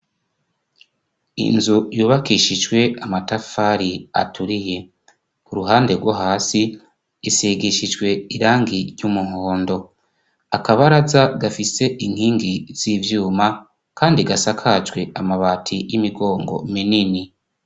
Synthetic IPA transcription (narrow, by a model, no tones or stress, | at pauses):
ḭnzujuːβakiʃid͡ʒwe̞amatafaɾia̰tuɾije̞ | kuɾuɦaːnde̞ɡwaɦaːsiː | siɡiʃid͡ʒɡwe̞iɾaːŋɡiɾjumuɦoːndo̞ | akaβaɾazaɡafise̞ʔin̥hiːŋɡiz̥ivjuːma | kaːndiɡasakʰad͡ʒɡwe̞ʔamaβatʰijimiɡo̞ːŋɡo̰minini